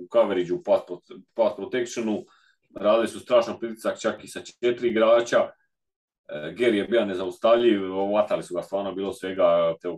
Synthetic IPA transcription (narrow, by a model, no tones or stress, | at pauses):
ukaʋeɾid͡ʑupasppaspɾot̪e̞kt͡ʃonu | ɾaːd̪ilisust̪ɾaːʃnanpɾit̪i̥sak̚t͡ʃakisat͡ʃet̪iɾiɡɾaːt͡ɕa | ɡeɾjebiːane̞zaust̪aʋʎiʋʋat̪alisuɡast̪ʋaːɾno̞biːlˠo̞sʋe̞ɡat̪eo